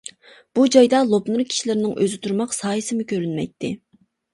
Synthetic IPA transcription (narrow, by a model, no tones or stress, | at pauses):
b̥ud͡ʒɑjd̪ɑlˠopnuɾkʲʰi̥ʃilɪɾɪnɪŋʔø̰zɪt̪ʰuɾmɑqsɑːjɨsɪmʊkʲʰøɾynmɛ̰jt̪ʰːɪ